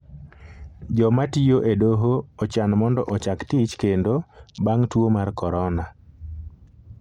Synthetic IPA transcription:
d͡ʒɔmatijoʔedoɦoɔt͡ʃanmɔndɔʔɔt͡ʃaktit͡ʃkendobaŋtwomarkɔɾɔna

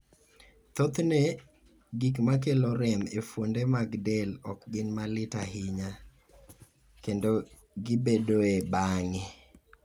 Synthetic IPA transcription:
t̪ot̪ne | ɡikmak̬eloɾɛmefwondemaɡdɛlɔkɡɪnmalɪtaɦɪɲa | kendo | ɡɪbedoebaŋɪ

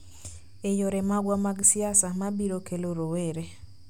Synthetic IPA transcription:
ejoɾɛmaɡwamaɡsiasamabiɾokʰeloɾoweɾe

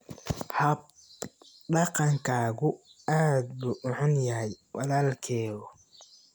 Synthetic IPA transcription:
hɐ | ɖɑqɑŋkʰaːɣʊaːd̪bʊʊħʊnjɐhɛjwɑlaːlkʰɛːðɔ

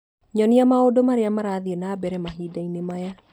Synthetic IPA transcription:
ɲɔniamaodomaɾeamaɾaðiɛnaːbɛɾɛmaɦiːdainemaja

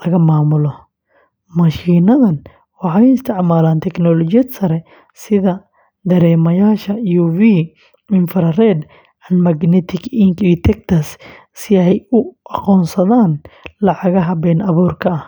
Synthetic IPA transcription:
lɐɣɐmaːmʊlɔ | mɐʃiːnɐðɐn | wɑħɑjʊɪst̪ʰɪʕmaːlaːnt̪ʰɛknɔːlɔt͡ʃɪjɐd̪sɐɾɛ | sɪðɐ | d̪ɐɾɛːmɐjaːʃɐjuviː | ɪnfɛɾrɛd̪ | ʕɑnmɐɡnɛt̪ʰɪɡɪŋkiːt̪ʰɛk̚t̪ʰɐs | sɪɛjʊʔɑqɔːnsɐðaːnlɑʕɑɣɐɦɐbɛːnʔɐβuːrkʰɐɐh

